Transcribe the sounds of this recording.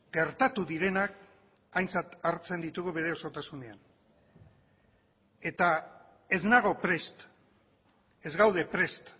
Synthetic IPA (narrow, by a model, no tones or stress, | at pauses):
ɡ̥e̞ɾt̪at̪uðiɾe̞nak | ajnt͡sat̪aɾt͡se̞nd̪it̪uɣuβe̞ɾe̞o̞so̞t̪asune̞a̰n | e̞t̪a | e̞znaɣo̞pɾe̞st̪ | e̞zɣawðe̞pɾe̞st̪